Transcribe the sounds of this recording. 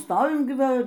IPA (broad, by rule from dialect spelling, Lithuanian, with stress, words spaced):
ˈstoːʋʲɪm ˈɡʲɪ ˈʋɐ